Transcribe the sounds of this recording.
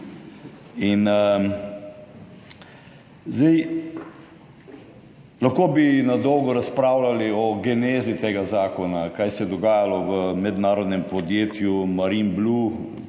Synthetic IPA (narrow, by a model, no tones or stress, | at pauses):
in | zd̪ɛj | laxkoːbinad̪ɔwɡɔɾaspɾaːwlaliɔɡɛneːzit̪eːɡazaːkɔnakajsɛd̪ɔɡaːjalɔʋəmɛd̪naːɾɔd̪nɛmpɔd̪jeːt̪jumaɾimblu